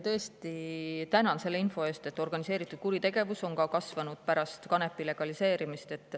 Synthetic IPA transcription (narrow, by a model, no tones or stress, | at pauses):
t̪ɤ̞est̪it̪ænɑnse̞lːeinfo̞e̞ːst̪e̞t̪ːˑo̞rɡ̥ɑnise̞ːɾit̪ːˑud̪̥̚kuɾit̪e̞ɡ̥e̞vuso̞nkɑkɑsvɑnud̪̥pæɾɑst̪kɑne̞pːile̞ɡ̥ɑlise̞ːɾimist̪e̞t̪ːˑ